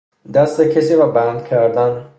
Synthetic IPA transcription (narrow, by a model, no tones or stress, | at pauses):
d̪æst̪ecʰesiːɾɒːbænd̪cʰæɾd̪æn